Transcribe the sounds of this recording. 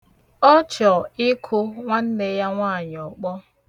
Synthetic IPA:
ɔ˦t͡ʃɔ˨ɪ˦kʰʊ˦ŋʷa˦n̩˦ne˦ja˦ŋʷaː˦˨ɲ˨ɔ˨k͡pɔ˦

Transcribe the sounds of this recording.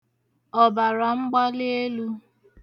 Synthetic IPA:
ɔ˨ba˨ɾa˨ŋ͡m̩˦ɡ͡ba˦lɪ˦e˦lu˦

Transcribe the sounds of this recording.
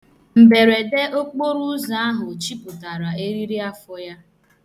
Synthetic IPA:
m̩˨be˨ɾe˨de˦o˦k͡po˦ɾu˦za˨a˦ɦʊ˨t͡ʃi˦pʊ˨ta˨ɾa˨e˦ɾi˦ɾi˦a˦fʊ˦ja˦

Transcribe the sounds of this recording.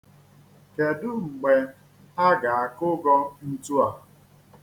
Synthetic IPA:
ke˨dʊ˦ŋ͡m̩˨ɡ͡be˨ | a˦ɡa˨a˨kʊ˦ɡɔ˦n̩˦tu˦a˨

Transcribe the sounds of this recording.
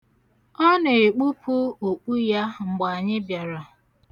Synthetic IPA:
ɔ˦ne˨e˨k͡pu˦pʰu˦o˨k͡pu˦ja˦ŋ͡m̩˨ɡ͡ba˨ɲɪ˦bja˨ɾa˨

